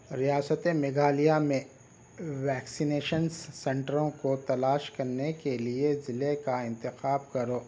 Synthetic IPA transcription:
ɾijaːsət̪emeɡʱaːlijamẽ | ʋɛːksineːʃənssɛ̃ɳʈəɾõkot̪ɐlaːʃkɐɾnekeliezɪlekaɪ̃nt̪ɪxaːb̚kɐɾoː

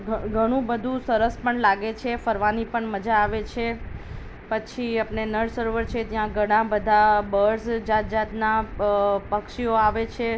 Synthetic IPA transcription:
ɡʱəɽ̃ũbəd̪ʱũsəɾəspəɳlaɡet͡ʃʰefəɾʋanipəɳməd͡ʒaːʋet͡ʃʰe | pət͡ʃʰiapnenəɖsəɾʋəɾt͡ʃʰet̪jãɡʱəɽ̃ãbəd̪ʱabəɾsd͡ʒat̪̚d͡ʒat̪na | pəkʃioaʋet͡ʃʰe

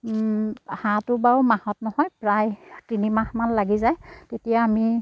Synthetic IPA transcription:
hãtʊbawmahɔtnɔhɔjpɹajtinimãxmanlaɡizajtetijaːmi

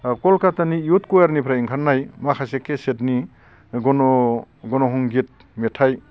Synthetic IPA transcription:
kɔlkatanijutkujaɾnipʰɾaiŋkʰannːajmakʰasekʰːesetni | ɡɔnɔ | ɡɔnɔɦɔŋɡit̚ | metʰaj

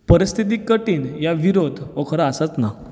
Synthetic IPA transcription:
pəɾist̪ʰit̪̬iːkəʈiːnjaʋiɾod̪ʱʋokʰəɾaːsat͡s̪na

